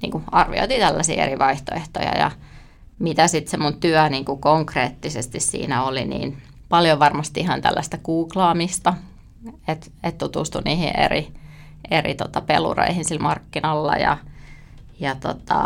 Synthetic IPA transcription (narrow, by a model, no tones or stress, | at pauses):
nḭːŋkuɑrʋio̰it̪it̪ælːæsḭːḛɾiʋɑiht̪oeht̪o̰jɑ̰jɑ̰ | mit̪æsit̪semunt̪yæniːŋkukoŋkreːt̪ːisest̪issḭːnæolinḭːn | pɑljoʋɑrmɑst̪iihɑnt̪æ̰lːæst̪ækuːklɑːmist̪ɑ | et̪ | et̪t̪ut̪ust̪uniːhḭʔḛri | erḭt̪ot̪ɑpelṵro̰ihinsilmɑrkːinɑlːɑ̰jɑ̰ | jɑt̪ot̪ɑ̰